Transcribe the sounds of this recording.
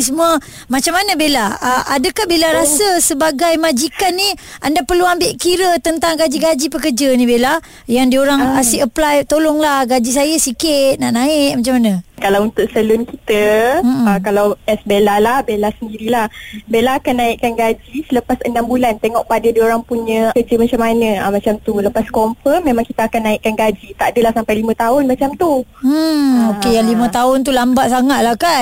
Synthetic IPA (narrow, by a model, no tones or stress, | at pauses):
səmuə | mat͡ʃamanəbelaəʔadəkahbelaɾasəsəbaɡajmad͡ʒikanːiandapərluambɪʔkiɾət̪ənt̪aŋɡad͡ʒiɡad͡ʒipəkərd͡ʒənĩbela | jaŋdioɾaŋasiʔəplajt̪olɔŋlahɡad͡ʒisajəsikɪʔnaʔnãɪʔmat͡ʃamanakalawunt̪ʊʔsəlʊnkit̪əm̩əkalawɛsbelahlahbelahsəndiɾilahbelaɦːkanːaiʔkanɡad͡ʒisələpasənambulant̪eŋɔʔpadədioɾaŋpuɲə̃kəd͡ʒəmat͡ʃamanə̃amat͡ʃamt̪uləpaskɔmfəmːẽmãŋkit̪əakanːaɪʔkanɡad͡ʒit̪aʔadəlahsampajlimə̃t̪aʊnmat͡ʃamt̪u | okejaŋlimə̃t̪aʊnt̪̬ulambaʔsaŋaʔlahkan